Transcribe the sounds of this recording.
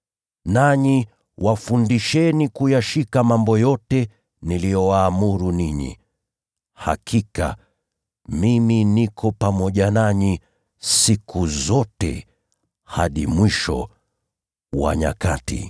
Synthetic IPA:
naɲi | wʔafundiʃɛnikujaʃikamambɔjɔtɛ | nilijɔwaːmuɾuniɲḭ | ha̰kʰika̰ | miminikʰɔpamɔʄanaɲi | sikuzɔtɛ̰ | ha̰ɗimwiʃɔ̰ | wa̰ɲa̰katḭ

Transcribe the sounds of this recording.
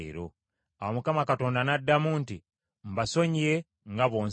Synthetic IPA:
ɾo̰ | awomukamakato̞ːndanadːamuːnti | m̩baso̞ɲie | ŋɡaβo̞ːn

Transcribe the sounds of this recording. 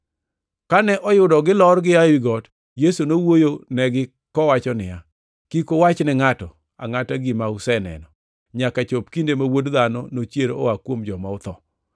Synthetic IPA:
kanɛʔɔjʊdɔɡɪlɔrɡɪawiɡɔt | jesunowojonɛɡɪ | kɔwat͡ʃɔnɪja | kikowat͡ʃnɛŋatɔ | a̰ŋataɡimaʊsɛnɛ̰nɔ | ɲakat͡ʃopkindemawodðanɔnot͡ʃjeɾowakwomd͡ʒɔmaʊt̪ɔ

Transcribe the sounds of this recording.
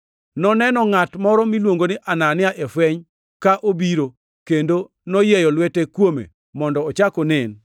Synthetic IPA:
nɔnɛnɔŋatmɔɾɔmilwoŋɡonɪʔananɪaʔefwɛɲ | kaʔobiɾo | kendo | nɔjejɔlwɛtekwomḛ | mɔndɔːt͡ʃakɔnɪn

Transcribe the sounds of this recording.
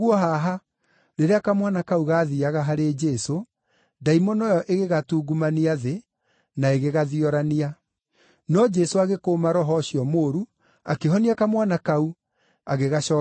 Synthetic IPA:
uɔɦaɦa | ɾeɾeakamwanakauɣaːðiaɣaɦaɾed͡ʒɛso | daimɔnɔjɔʔeɣeɣatuːɡumaniaðe | naeɣeɣaðiɔɾania | nɔd͡ʒɛsoaɣekoːmaɾɔɦɔɕiɔmoːɾu | akeɦɔniakamwanakau | aɣeɣaʃɔ

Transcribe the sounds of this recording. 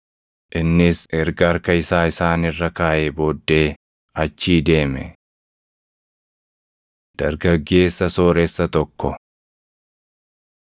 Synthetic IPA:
ʔɪnːɪsɛɾɡaɾkɐɪsaːɪsaːnɪrːɐkaːʔebo̞ːd̪ːe̞ː | ɐt͡ʃːiːd̪e̞ːmɛ̰ | d̪̥ɐɾɡɐɡːe̞ːsːɐsoːɾɛsːɐt̪ɔkːɔ

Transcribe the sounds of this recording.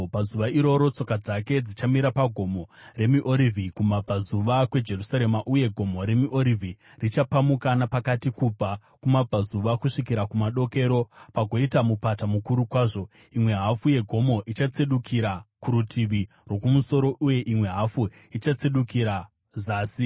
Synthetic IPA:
pazuʋaiɾo̞ɾo̞t͡so̞kad͡zake̞d͡zit͡ʃamiɾapaɡʱo̞more̞miʔoɾivʱikumab͡vazuʋakwe̞d͡ʒe̞rusaɾe̞maʔuje̞ɡʱo̞mo̞ɾe̞miʔo̞ɾivʱi | rit͡ʃapamukanapakatikub͡va | kumab͡vʱazuʋakuʂikiɾakumaɗo̞ke̞ɾo̞paɡʱo̞itamupatamukuɾukwaːʐo̞ | imwe̞ɦafuje̞ɡʱo̞mo̞ʔit͡ʃat͡seɗukʰiɾakuɾutʰiʋi | rwo̞kumuso̞ɾo̞ʔuje̞ʔimwe̞ɦafu | it͡ʃat͡seɗukiɾa | zaːsi

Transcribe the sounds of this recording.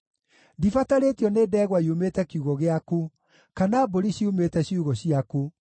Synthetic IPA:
difataɾeːtiɔneːdɛːɣwaiumetɛkiuɣɔɣeaku | kanaːboɾiɕiumetɛɕiuɣɔɕiaku

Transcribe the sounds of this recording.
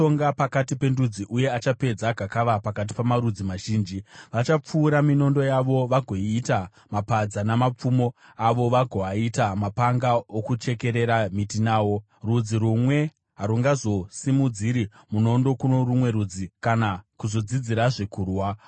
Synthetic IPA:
oŋɡapakatipe̞ndud͡ziʔuje̞at͡ʃape̞d͡zaɡʱakaʋapakat̬i̥pamaɾud͡zimaʒiːnd͡ʒiʋat͡ʃap͡fuːɾamino̞ndo̞jaʋo̞ʋaɡʱo̞iːta | mapad͡zanamap͡fumo | aʋo̞ʋaɡʱo̞aitamapaŋɡaokut͡ʃe̞ke̞ɾe̞ɾamitinaːwo̞ | rud͡ziɾumwe̞ | ɦaɾuŋɡazo̞simud͡ziɾi | muno̞ndo̞kuno̞rumwe̞ɾud͡zikanakuzo̞d͡zid͡ziɾaʐekuːrwa

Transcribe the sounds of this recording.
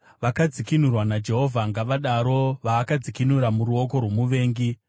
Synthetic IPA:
ʋakad͡zikinurwanad͡ʒe̞ɦo̞vʱaŋɡaʋaɗaɾo̞ʋaːkad͡zikinuɾamuɾuo̞k̬o̞rwo̞muʋe̞ːŋɡi

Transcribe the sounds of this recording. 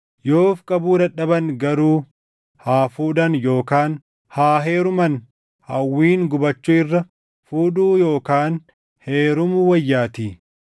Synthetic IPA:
jo̞ːfkʼɐbuːd̪ɐᶑɐbɐŋɡɐɾuː | haːfuːd̪ɐnjo̞ːkaːn | haːɦeːɾʊmɐn | hɐ̰wːiːŋɡʊbɐt͡ʃːʊɪrːɐ | fuːᶑuːjo̞ːkaːn | heːɾʊmʊwɐjːaːt̪iː

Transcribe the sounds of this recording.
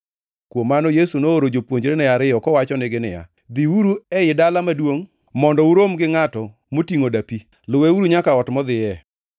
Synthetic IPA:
kwomːanɔjesunooɾod͡ʒopwoɲd͡ʒɾenɛaɾɪjɔkɔwat͡ʃɔnɪɡɪnɪ̰ja̰ | d̪iuɾuɛjɪdalamadwoŋ | mɔndɔuɾomɡɪŋatɔ | motiŋodapi | lʊweuɾuɲakaɔtmɔd̪ɪjɛ

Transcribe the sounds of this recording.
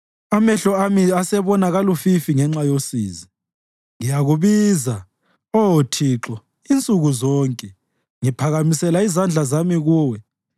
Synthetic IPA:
amɛɬɔamiasɛβɔnaɣalufifiŋɛŋ͡ǁajosḭːzi | ŋijaɣuβiza | ɔotʰiǁɔ | int͡sʼuɣuzɔːŋkʼɛ | ŋipʰaɣamisɛlaizand͡ɮʱazamiɣuːwɛ

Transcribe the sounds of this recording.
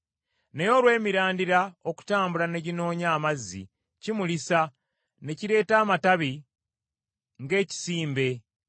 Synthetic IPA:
nejo̞lwe̞ːmiɾaːndiɾao̞ku̥taːmbulane̞ɟino̞ːɲaːmazːḭ | cimulisa | ne̞ciɾe̞ːtaːmataβi | ŋɡe̞ːci̥siːmbe̞

